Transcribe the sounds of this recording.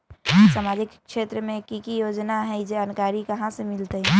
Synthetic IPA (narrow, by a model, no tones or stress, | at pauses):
saːmaːd͡ʒikː | ʃet̪ɾəmẽkikijod͡ʒnaɦɛd͡ʒeənkaːɾikəɦãsemɪlt̪eɛ